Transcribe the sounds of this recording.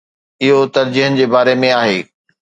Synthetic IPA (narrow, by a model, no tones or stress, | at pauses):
ɪɦot̪ɐɾd͡ʑiːɦənɪ̆d͡ʑeːbaːɾemẽaːɦeː